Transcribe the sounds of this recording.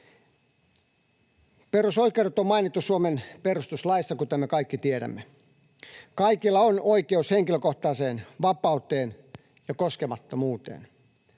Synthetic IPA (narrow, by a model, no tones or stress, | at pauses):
perusoikˑeuɾet̪ommɑinit̪ːusuomenperust̪uslɑisːɑkut̪æmekɑikːit̪ieɾæ̰mːe | kɑikilːɑonoikeusheŋkiløkoht̪ɑːseːnʋɑpɑut̪ˑeːn | jɑkoskemɑt̪ːomuːt̪ḛːn